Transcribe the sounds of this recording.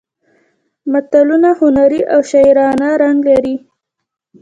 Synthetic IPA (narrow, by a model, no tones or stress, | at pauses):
mat̪alunahʊnaɾiʔawʃajɾɑnaɾaŋɡlaɾi